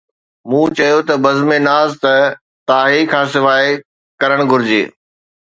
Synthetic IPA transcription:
mũːt͡ɕɐjot̪ɐbɐzmẽnaːzt̪ɐ | t̪aːɦikʰãːsɪʋaːe | kɐɾəɽ̃ɡʱʊɾɪd͡ʑḛː

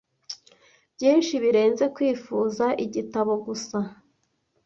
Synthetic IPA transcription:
bjiːnʃiβiɾe̞ːnze̞kwiːfuːzaʔiɟitaβo̞ɡusa

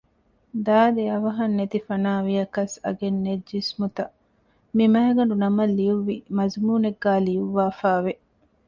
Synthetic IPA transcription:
d̪aːd̪eɐʋɐɦɐnːet̪ifɐnaːʋijɐkɐsɐ̰ɡenːed͡ʒːismut̪ɐ | mimɐɦɐɡɐɳɖunɐmɐlːijuʋːimɐzmuːneɡːaːlijuʋːaːfaːʋe

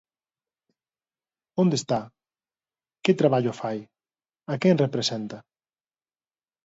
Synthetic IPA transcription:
õnd̪est̪a | kɪt̪ɾaβaʎʊfaj | akɛŋrepɾesɛnt̪ɐ

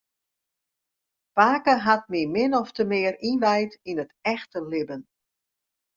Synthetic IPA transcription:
paːkəɦat̚mimɪnɔftəmɪərinʋɛjtinətɛxtəlɪbən

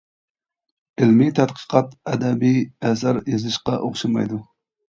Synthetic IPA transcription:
ɪlmit̪ʰæt̪qʰə̥qʰɑt̪ɛd̪ɛbiɛsɑɾjezɨʃqɑʔoχʃɑmɑ̰jd̪u

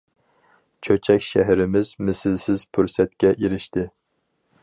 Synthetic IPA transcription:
t͡ʃʰøt͡ʃʰɛkʲʃæɦɾɪmɪzmɪsɪlsɪz̥pʰyɾsɛt̪̚kʲɛʔiɾɪʃt̪ɪ

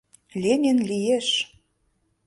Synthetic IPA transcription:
lʲenʲenlʲijeʃ

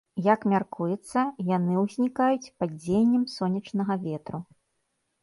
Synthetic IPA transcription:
jɐkmʲarkujɛt̪sːɐjanɨwzʲnʲikajut͡sʲpad͡zʲejnʲːɛmsɔnʲːɐt͡ʂnɐɣɐvʲɛt̪ɾu

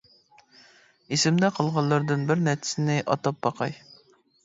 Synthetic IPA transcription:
esɪmd̪ɛqʰəlˠʁɑlˠːɑɾd̪ɨnbɪɾnɛɾt͡ʃʰɪ̥sɪnɪʔɑ̰t̪ɑp̚bɑqʰɑj

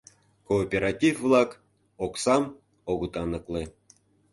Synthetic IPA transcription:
koːpʲeɾɑtʲifvlˠɑk | oksɑm | oɡɤt̪ɑnɤ̆klˠe

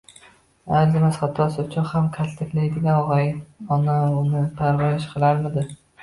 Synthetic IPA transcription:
aɾzɪmasχat̪ʰːɒsʊt͡ʃʰɒhamkʲʰast̪ʰɪkʲlajd̪ɪɡʲanɒʁajɒnaʊnɪpʰaɾvajɪʃqʰɨlˠaɾmɪd̪ɪ

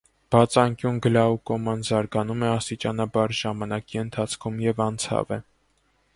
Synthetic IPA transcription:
b̥ɑt͡sʰɑŋkjunɡəlɑukɔmɑnzɑɾɡɑnumɛɑst̪it͡ʃɑnɑbɑɾʒɑmɑnɑkiənt̪ʰɑt͡sʰkʰumjɛvɑnt͡sʰɑ̰vɛ̰

